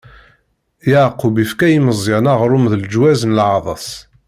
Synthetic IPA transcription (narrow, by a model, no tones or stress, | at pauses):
jaʕqːubifkæjiməzˤːɪnaʁɾˤʊmðəld͡ʒwæzənəlʕɑðˤɑsˤ